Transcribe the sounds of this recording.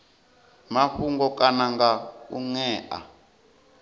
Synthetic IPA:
maɸuŋɡɔkʼanaŋɡaṵŋɛːʔa̰

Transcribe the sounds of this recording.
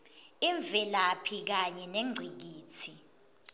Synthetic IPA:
iɱvɛlapʰik̬aɲɛneŋ͡ǀʱik̬iːt͡sʰi

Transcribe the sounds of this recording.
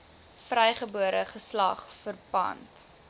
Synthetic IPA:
frɛjχəbuəɾəχəslɐχfərpɐ̰nt

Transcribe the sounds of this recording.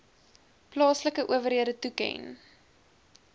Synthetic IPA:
plɑːsləkəʔuəvərɦiədətukɛ̰n

